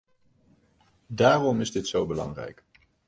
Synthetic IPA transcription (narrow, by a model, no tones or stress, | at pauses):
daːrɔmɪzdɪtsowbəlɑ̰ŋrɛ̰jk